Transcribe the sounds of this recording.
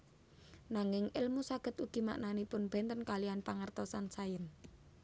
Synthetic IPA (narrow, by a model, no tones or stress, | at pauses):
naŋɪŋɪlmusaɡ̥ə̤t̪uɡ̥i̤ma̰ʔnanipʊnb̥ɛ̤nt̪ənkalianpaŋərt̪ɔsansajən